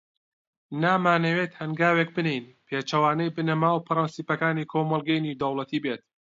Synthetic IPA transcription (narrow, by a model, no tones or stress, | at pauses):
naːmaːnɐwet̪hɐŋɡaːweːk̚bɨnejnpʰeːt͡ʃɐwaːnɐjbɨnɐmaːwpʰɨɾɑnsiːpɐkaːniːkʰoːmɐlˠɡɐjnid̪ɐwlˠɐt̪ʰiːbeːt̪̚